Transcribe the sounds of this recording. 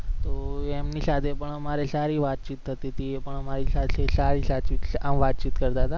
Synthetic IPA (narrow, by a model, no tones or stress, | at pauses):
t̪oemnisat̪ʰepəɳəmaɾesaɾiʋat̪̚t͡ʃit̪ʰːət̪iət̪iepəɳəmaɾisat̪ʰesaɾisat͡ʃit̪aʋat̪̚t͡ʃit̪kəɾt̪aɦət̪a